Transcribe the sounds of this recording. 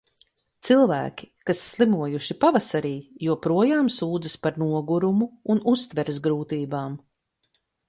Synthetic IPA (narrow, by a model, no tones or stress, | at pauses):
t̪silˠvæ̰ːkʲi̥kasːlˠimuɔjuʃipavasaɾiːjuɔpɾuɔjaːmsuːd̪zɐspaɾnuɔɡuɾumuːnust̪vɛɾzɡɾuːt̪iːbaːm